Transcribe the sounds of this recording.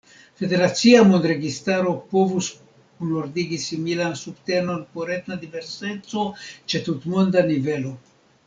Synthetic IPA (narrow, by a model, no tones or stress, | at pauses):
fe̞de̞ɾat͡siamond̪ɾe̞ɡistaɾo̞po̞vus | kunoɾdiɡisimilansubte̞no̞npo̞ɾetnadive̞ɾse̞t͡so̞t͡ʃe̞tutmo̞ndanive̞lo̞